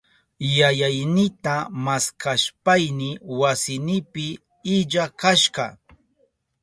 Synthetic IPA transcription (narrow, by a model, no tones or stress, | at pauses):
jajajnɪt̪amaskaʃpajnɪwasɪnɪpɪː | ʎakaʃɢɑ